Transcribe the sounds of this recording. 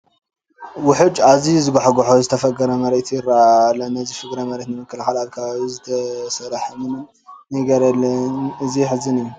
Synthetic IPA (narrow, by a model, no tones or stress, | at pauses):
wʊħɨd͡ʒazizɨɡaħɡoħozɨt̪ʰɐfɐɡɐɾɐmɐɾet̪ʰjɪɾːaalɐnɐzifɨɡɾɐmɐɾet̪nɨmɨkːɐlxalalkʰazɨt̪ʰɐsɐɾaħɐmɨnɨn | nɐɡɐɾɐlːɐnɨziħɨzɨnɨjːu